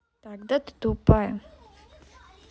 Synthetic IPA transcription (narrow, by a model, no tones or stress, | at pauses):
t̪aɡd̪ət̪d̪upaj